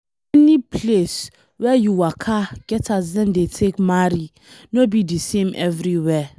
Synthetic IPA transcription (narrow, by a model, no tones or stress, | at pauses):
ɛnĩpʰles | wɛjuwakʰaɡ̥ɛtʰasdɛ̃ndetʰekmaɾi | nobidisẽmʔɛvɾiwɛ